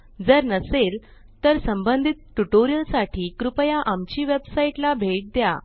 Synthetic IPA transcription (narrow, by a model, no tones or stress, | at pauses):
d͡zəɾnəsel | t̪əɾsəmbənd̪ʱit̪̚ʈuʈoɾijəlsaʈʰiːkɾupəjaʔamt͡ɕiːʋebsaiʈlabʱeʈ̚d̪ja̰